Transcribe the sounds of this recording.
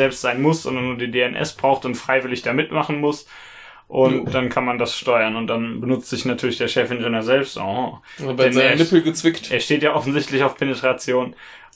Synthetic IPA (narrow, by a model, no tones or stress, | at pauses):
ɛlpstz̥aɪnmʊsz̥ɔndɐnːuːɐdiːdeːɛnʔɛ̰sb̥ʁaʊxtʊntfʁ̥aɪvɪlɪçd̥aːmɪtmaχn̩mʊs | ʔʊntd̥ankʰanmandasʃtɔʏɐnʊnt̚d̥anbənʊt͡stz̥ɪçnatʰyːɐlɪçd̥eːɐʃɛfɪnd͡ʒɛnøːɐzɛlpstʔa̰ha | bɛnːɐnɪpl̩ɡət͡sv̥ɪktʔeːɐʃteːtjaʔɔfn̩zɪçtlɪçaʊfpʰɛnetʁ̥at͡sjoːn